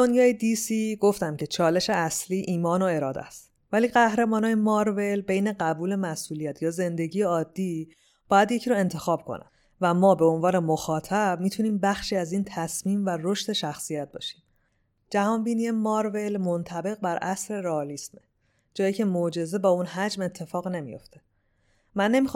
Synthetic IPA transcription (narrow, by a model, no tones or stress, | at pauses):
d̪o̞njɒːjed̪isiːɡo̞ft̪æmcʰe̞t͡ʃʰɒːle̞ʃe̞æsliːʔiːmɒːno̞e̞ɾɒːd̪æ̰st̪ | væliːɢæhɾe̞mɒːnɒːjemɒːɾve̞lbe̞jne̞ɢæbuːle̞mæsuːlijæt̪ʰjɒːze̞nd̪e̞ɟiːjeɒːd̪ːiː | b̥ɒːjæd̪jecʰiɾoe̞nt̪ʰe̞xɒːb̥̚kʰo̞̰næ̰ | væmɒːbe̞o̞nvɒːne̞moxɒːt̪ʰæb̥miːt̪ʰuniːmbæxʃiːæziːnt̪ʰæsmiːmværo̞ʃt̪e̞ʃæxsijæt̪̚bɒ̰ːʃi̥ːm | d͡ʒæhɒːnbiːnijemɒɾve̞lmo̞nt̪ʰæbe̞ɣbæɾʔæsɾe̞ɾeɒːlisme | d͡ʒɒːjiːcʰe̞mod͡ʒe̞ze̞bɒːunɦæd͡ʒme̞t̪ʰːe̞fɒːɣne̞mḭjo̞̰ft̪ʰe̞̥ | mænːe̞mix